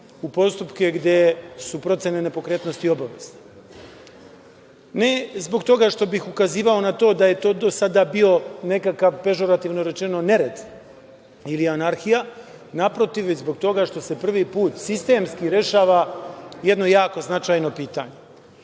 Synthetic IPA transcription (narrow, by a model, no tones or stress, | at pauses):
upo̞st̪upke̞ɡd̪e̞supɾo̞t̪senene̞po̞kɾeːt̪no̞st̪io̞baʋe̞zne | ne̞zbo̞ɡt̪o̞ɡaʃt̪o̞bixukaziːʋao̞nat̪o̞ːd̪aje̞t̪o̞ːd̪osad̪abio̞ne̞kakaʋpe̞ʒo̞ɾat̪iːʋno̞ɾe̞t͡ʃe̞no̞ne̞ɾe̞d̪ | ilianaɾxija | napɾo̞t̪iʋʋezbo̞ɡ̚t̪o̞ɡaʃt̪o̞se̞pr̩ʋipuːt̪sist̪e̞ːmskiɾe̞ʃaːʋajed̪no̞jaːko̞znat͡ʃaːjno̞piːt̪a̰ɲe̞